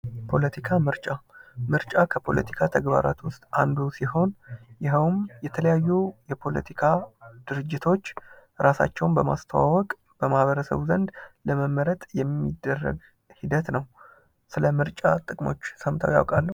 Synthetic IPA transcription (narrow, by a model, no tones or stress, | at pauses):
pʰo̞lət̪ʰikʰamɨɾt͡ʃʼamɨɾt͡ʃʼakʰəpʰo̞̰lə̰t̪ʰi̥kʰat̪ʰəɡba̰ɾa̰t̪wʊst̪ʼand̪usiho̞njɪɦəwmjɛt̪ʰələjajːujɛpʰo̞lə̰t̪ʰikʰad̪̥ɨɾɨd͡ʒːɪt̪ʰo̞t͡ʃː | ɾasa̰t͡ʃːɛwnbəma̰st̪ʰəwawɔkʼ | b̥əmahβəɾəsə̰βzənd̪ləməmːəɾət̪ʼjɛmːid̪ːərːə̰ɡ | hid̪ət̪nəw | sɨləmɨɾt͡ʃʼat̪ʼɨkʼmo̞̰t͡ʃːsəmt̪ʰa̰wja̰wkʼalːəw